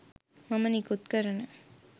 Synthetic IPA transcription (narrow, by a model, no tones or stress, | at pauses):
mɐmɐniːkʊt̪kɐɾɐnɐ